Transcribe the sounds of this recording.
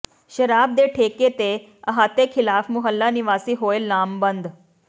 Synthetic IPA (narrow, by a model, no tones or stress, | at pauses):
ɕəɾaːb̚d̪eʈʰeket̪e | əɦat̪ekʰilaːfmuɦəlːaniʋaːsiːɦojlːaːmbənd̪